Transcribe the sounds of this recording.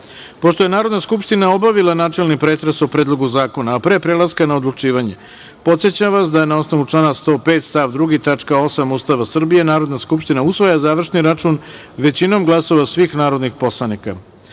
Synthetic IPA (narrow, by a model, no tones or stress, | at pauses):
po̞ʂt̪o̞je̞naːɾo̞d̪naskupʂt̪inaobaʋilˠanaːt͡ʃe̞lnipɾet̪ɾesopɾed̪lˠo̞ɡuzaːko̞naːpɾe̞ːpɾelaskanao̞d̪lˠut͡ʂiːʋaɲe̞ | po̞t̪sjet͡ɕamʋasd̪aje̞nao̞sno̞ʋut͡ʂlˠaːnast̪o̞ːpet̪st̪aʋd̪ɾuɡit̪at͡ʂkao̞samuːst̪aʋasr̩bije̞naːɾo̞d̪naskupʂt̪inausʋojazaːʋr̩ʂniɾat͡ʂun | ʋe̞t͡ɕino̞mɡlˠaso̞ʋasʋiːxnaːɾo̞d̪nixpo̞slˠanika